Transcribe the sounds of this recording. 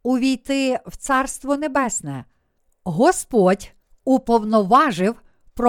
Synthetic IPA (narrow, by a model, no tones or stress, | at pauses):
ʊʋʲijt̪ɪwt̪sɑrst̪ʋɔnebɛsnɛ | ɦɔspɔdʲ | upɔwnɔʋɑʒɪw | pɾɔ